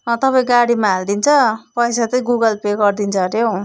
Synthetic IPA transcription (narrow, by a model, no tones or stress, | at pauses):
t̪ʌpaĩɡaɽimaɦald̪int͡sʰʌpʌjsat͡sʌj̃ɡuɡʌlpeɡʌrd̪int͡sʰʌɾjow